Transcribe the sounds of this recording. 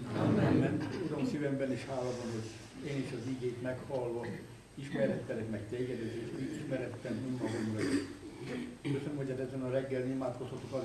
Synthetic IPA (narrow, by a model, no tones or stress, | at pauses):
anɛɛmmɛnt̪uɾonsivɛmbɛniʃhaːlɒb̪ɒnɦoɟ | eːniʃɒziɡeːt̪mɛkhɒlːɒ | iʃmɛɾɛt̪ːɛlɛkmɛkt̪eːɡɛd̪ɛzeːʃit̪iʃmɛɾɛt̪ːɛminmɒɡomrɒiʃ | ʃkøsønømhoɟaːt̪ɛzɛnɒɾɛɡːɛlnimaːt̪ko̞shɒt̪okɒ